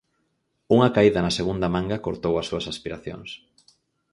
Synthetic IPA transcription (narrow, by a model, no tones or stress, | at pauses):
uŋɐkaiðɐnɐseɣund̪ɐmãŋɡɐkoɾt̪owɐsːuɐsaspiɾaθjo̰ŋs